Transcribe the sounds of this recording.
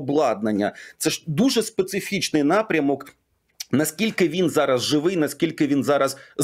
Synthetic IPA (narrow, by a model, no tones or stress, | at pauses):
blˠɑd̪̚nɐnʲːɐ̰t̪sɛʂd̪uʐɛspɛt̪sɪfʲit͡ʃnɪjnapɾʲɐmɔk | nɐskʲilʲkɪʋʲinzaɾɐzʐɪʋɪjnɐskʲilʲkɪʋʲinzaɾɐs